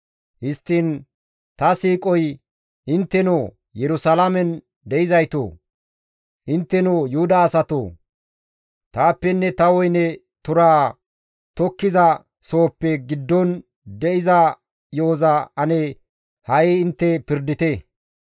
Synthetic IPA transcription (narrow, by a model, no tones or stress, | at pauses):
hɪst̪ːin | t̪ɐsiːkʼɔj | ʔɪnt̪ːɛno | jɛɾʊsɐlɐmɛn | d̪ɛɪzɐjt̪o̰ː | ʔɪnt̪ːɛnoːjʊhʊd̪aːsɐt̪o̰ː | t̪aːpːɛnːɛt̪ɐwɔjnɛ | t̪ʊɾaː | t̪ɔkːɪzɐ | so̞ːpːɛɡɪd̪ːɔn | d̪ɛʔɪzɐ | jo̞ːzɐɐnɛ | hɐjɪɪnt̪ːɛpɪɾd̪ɪt̪e